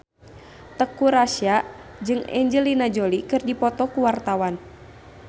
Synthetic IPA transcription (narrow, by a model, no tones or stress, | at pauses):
t̪əkuɾaʃiad͡ʒɨŋɛ̰ɲd͡ʒəlinad͡ʒɔlikɨrdipɔt̪ɔkuwart̪awan